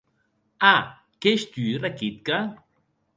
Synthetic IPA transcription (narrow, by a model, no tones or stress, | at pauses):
a | keʃt̪uɾakit̪̚ka